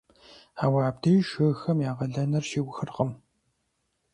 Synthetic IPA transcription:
aːwaːb̚dɐjʃɨxɐmjaːʁɐɮɐnɐrʃiwʷxɨrqɐm

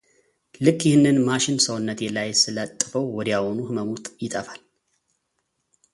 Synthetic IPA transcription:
lɨkʰʼːjɪhɨnːɨnmaʃɪnsəwnːət̪jɛlajsɨlət̪ʼːɨfəwːɔd̪jawɔnuhɨməmut̪ʼjɪt̪ʼəfal

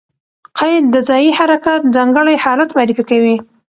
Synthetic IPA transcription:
qɑjd̪əzɑjihaɾakat̪̚zɑŋɡəɽajhɑlat̪maɾifikawi

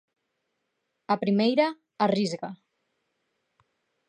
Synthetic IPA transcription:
apɾimejɾaː | rizɣa

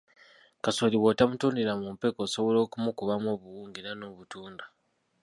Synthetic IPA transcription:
kasoliwotamutuːndiɾamumpe̞koːso̞βolo̞ːkumukuβamo̞ːβuwuːŋɡinano̞ːβutuːnda

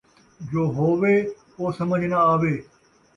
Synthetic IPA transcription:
d͡ʑoːɦoːʋe | oːsɐməd͡ʒʱnaaːʋeː

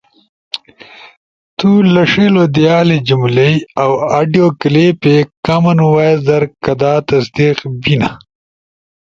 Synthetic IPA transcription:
t̪ulɐʂelod̪ijaːled͡ʑumlejawaːɖijoːkleːpekɐmɐnwazɐɾkɐd̪aːt̪ɐsd̪iqbina̰

